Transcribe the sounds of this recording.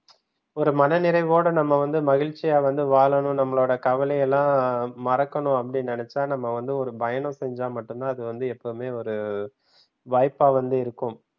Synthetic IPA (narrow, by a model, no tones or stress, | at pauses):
ɔɾɯmɐnɐnɪɾɐɪʋoːɽɐnɐmːɐʋɐnd̪ɯmɐɣɪɭt͡ʃːɪjaːʋɐnd̪ɯʋaːɭɐɳʊ̃nɐmːɐɭoːɽɐkɐʋɐlɐjɛlːãːmɐɾɐkːɐɳʊ̃ɐpːɐɽɪnɪnɛt͡ʃːaːnɐmːɐʋɐnd̪ɯɔɾɯbɐjɐɳɐ̃sɛɲd͡ʒaːmɐʈːɯnt̪ãːɐðɯʋɐnd̪ɯɛpːɐɯmeːɔɾɯ | ʋɐːɪpːaːʋɐnd̪ɯɪɾɯkːɯm